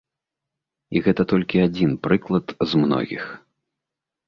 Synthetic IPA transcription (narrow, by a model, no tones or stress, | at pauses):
iɣɛt̪ɐt̪ɔlʲkʲiad͡zʲinpɾɨklˠɐt̪zmnɔ̰ɣʲḭx